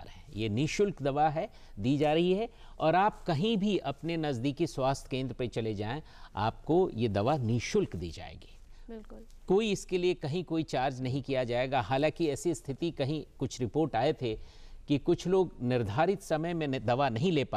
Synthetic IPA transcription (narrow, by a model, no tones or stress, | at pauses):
ɾɦɛ̃jeːniːʃʊlkd̪ɐʋaɦɛ | d̪iːd͡ʒaːɾɐɦiɦɛ | ɔːɾaːp̚kɐɦĩbʱiʔɐpnenɐzd̪iːkiswaːst̪ʰkẽːnd̪ɾpet͡ʃɐled͡ʒaːẽ | a̰ːp̚kojed̪ɐʋaniːʃʊlkd̪ḭːd͡ʒa̰ːḛːɡiː | bɪlʊl | koːiɪskeliekɐɦĩkoːit͡ʃaːɾd͡ʒnɐɦĩkijad͡ʒaːeːɡaɦaːlãːkiɛːsist̪ʰɪt̪ikɐɦĩkʊt͡ʃʰɾɪpoːɾʈaːet̪ʰe | kikʊt͡ʃʰloːɡnɪɾd̪ʱaːɾɪt̪sɐməjmẽd̪ɐʋanɐɦĩleːpa